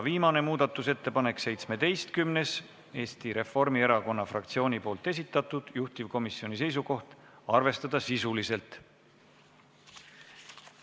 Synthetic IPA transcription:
viːmɑne̞muːd̪̥ɑt̪ːˑuse̞t̪ːe̞pɑne̞kse̞jt̪sme̞d̪e̞jst̪kymne̞s | e̞ːst̪iɾe̞fo̞rmie̞ɾɑko̞nːɑfrɑkt̪sio̞ːnʲipo̞ːlt̪ːˑe̞s̬it̪ˑːɑt̪ːˑud̪̥juht̪ivko̞misio̞nʲise̞js̬uko̞ht̪ | ɑrve̞st̪ɑd̪̥ɑsisulise̞lt̪

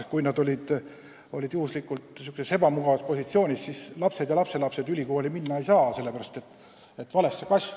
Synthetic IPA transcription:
kujnɑd̪o̞lʲid̪̥ | o̞̰lʲid̪juhuslikːˑult̪sykseshe̞bɑmuɡ̥ɑvɑspo̞sʲit̪sio̞ːnʲissislɑpse̞d̪jɑlɑpse̞lɑpse̞d̪̥ylʲiko̞ːlʲiminːɑejsɑːse̞lːeæɾɑst̪e̞t̪ːˑ | et̪ːvɑle̞sːekɑsʲ

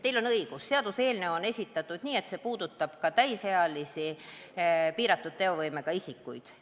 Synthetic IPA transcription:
t̪e̞jlo̞nɤjɡ̥usːe̞ɑd̪̥use̞ːlne̞one̞sʲit̪ːˑɑt̪ːˑud̪̥niːe̞t̪sepuːd̪̥ut̪ːˑɑb̥kɑt̪æjseɑlisi | piːɾɑt̪ːˑud̪̚t̪e̞o̞vɤjmeɡ̥ɑisikːˑujd̪̥

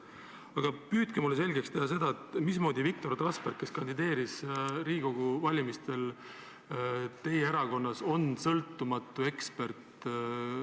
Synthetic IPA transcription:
ɑɡ̥ɑpyːd̪kemulese̞lʲɡekst̪ehɑs̬e̞d̪ɑet̪mismo̞ːd̪ivik̚t̪o̞rt̪rɑsperkkːe̞skɑnd̪id̪e̞ːɾisriːɡ̥oɡ̥uvɑlʲimist̪e̞l | t̪e̞jee̞ɾɑko̞nːɑso̞nsɤlt̪ˑːumɑt̪ːˑue̞kspe̞rt̪

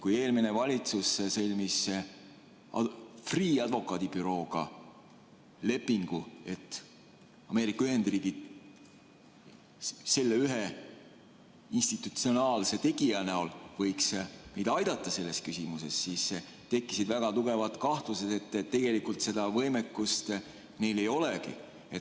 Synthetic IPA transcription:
kuje̞ːlmine̞vɑlʲit̪susːsɤlʲmis | friːɑd̪vo̞kːˑɑːd̪̥ib̥yɾo̞ːɡ̥ɑ̰ | le̞pːˑiŋɡ̥ue̞t̪ːˑ | ɑme̞ːɾikːˑɑyɦe̞nd̪̥riːɡ̥id̪̥ | se̞lːeyɦe | inst̪it̪ːut̪sio̞nɑːlse̞t̪e̞ɡ̥iɑnæolvɤjksme̞jd̪ɑjd̪̥ɑt̪ːˑɑse̞lːe̞skysimuse̞sːiːst̪e̞kːˑisid̪væɡ̥ɑt̪uɡ̥e̞vɑt̪ˑkɑht̪vuset̪e̞t̪ːett̪ːe̞ɡ̥e̞likult̪se̞d̪ɑvɤ̞jmekːˑust̪ | ne̞jle̞jo̞lekḭ | et̪

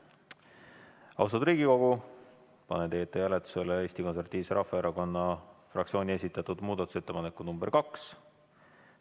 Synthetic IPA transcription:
ɑ̰wst̪ɑd̪̥ɾiːɡ̥iko̞ɡ̥u | pɑ̰net̪e̞ːt̪ːˑejælet̪ːˑu̥selee̞ːsʲt̪iko̞nse̞ɾɑt̪ːˑiːvseɾɑfːɑeɾʔɑko̞nːɑfrʔɑ̰ktsio̞ːnʲie̞sit̪ːˑɑt̪ud̪muːd̪ɑt̪ˑu̥se̞t̪ːe̞pɑnekːˑunumbe̞rkɑks

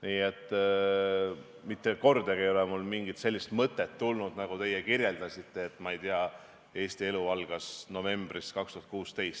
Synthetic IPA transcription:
niːet̪ˑː | mit̪ːeko̞rd̪̥ɑɡiejo̞lɛmulmiŋɡit̪se̞lʲːist̪mɤt̪ːˑe̞t̪ːulnud̪nɑɡ̥ut̪e̞jekirje̞ld̪ɑsit̪ˑːe̞ːt̪ːˑmɑejt̪iɑ | e̞ːst̪ie̞luɑlɡ̥ɑsno̞ve̞mb̥riskɑkst̪uhɑt̪kuːst̪e̞jst̪

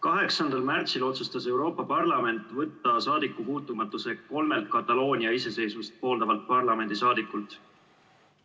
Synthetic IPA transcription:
kɑɦe̞ksɑnd̪ɑlmært̪silo̞t̪sust̪ɑse̞wɾo̞ːpːˑɑpɑrlɑme̞nt̪ːˑvɤt̪ːɑsɑːd̪̥ikːˑupuːt̪ːˑumɑt̪ːˑuse̞ko̞lme̞lt̪̚kɑt̪ːɑlo̞ːnʲiɑise̞se̞jsmist̪̚po̞ːld̪ɑvɑlt̪̚pɑrlɑme̞nd̪̥isɑːd̪̥ikːˑult̪ˑ

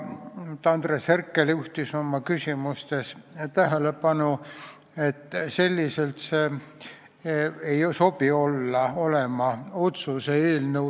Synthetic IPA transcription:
t̪ɑnd̪̥resherkːeluht̪iso̞mːɑkysʲimust̪e̞st̪æɦelepɑnu | et̪ːse̞lʲːise̞lt̪seː | ejso̞pio̞lːɑo̞le̞mɑo̞t̪suseeːlnə

